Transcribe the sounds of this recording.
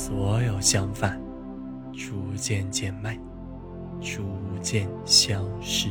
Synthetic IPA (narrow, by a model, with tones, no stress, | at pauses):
swɔ˧˥jo˨˩ʊɕjɑ˥ŋfa˥˩n | ʈ͡ʂu˥t͡ɕjɛ˥˧nt͡ɕjɛ˥˧nma˥˩ɪ | ʈ͡ʂu˥t͡ɕjɛ˥˧˨n | ɕjɑ˥ŋʂɻ̩˥˩